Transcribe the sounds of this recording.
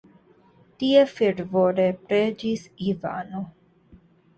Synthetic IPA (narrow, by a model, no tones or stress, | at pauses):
t̪iefiɖvoːɾepɾed͡ʒisiva̰ːno